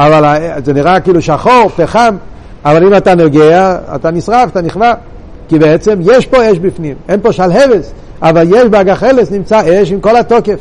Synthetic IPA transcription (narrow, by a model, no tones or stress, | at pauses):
avalazɛniʁakiːluʃaχoʁpeχam | avalimatanoɡeaa̰t̪anisʁafat̪aniχva | kibɛɛt͡sɛmjɛʃpoɛʃbifnimɛnpoʃalɦeves | avaljɛʃbeaɡaχelesnimt͡saeʃ̬imkolatokef